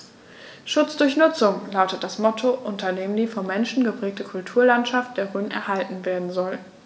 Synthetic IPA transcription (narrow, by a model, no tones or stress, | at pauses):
ʃʊt͡sd̥ʊɐçnʊt͡sʊŋlaʊtət̚d̥asmɔtʰoʔʊntʰɐdeːməndiːfɔnmɛnʃn̩ɡəpʁ̥ɛːk̚təkʰʊltʰuːɐlantʃaft̚d̥eːɐʁyːnənʔɛ̰ɐɦaltn̩veːɐdn̩zɔl